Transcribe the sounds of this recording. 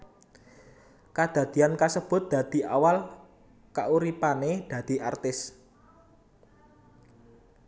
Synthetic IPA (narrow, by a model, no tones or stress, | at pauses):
kad̪̥ä̤d̪̥i̤ankasəb̥ʊ̤t̪̚d̪̥ä̤d̪̥i̤ʔawal | kaʔuɾipaned̪̥ä̤d̪̥i̤ʔart̪ɪs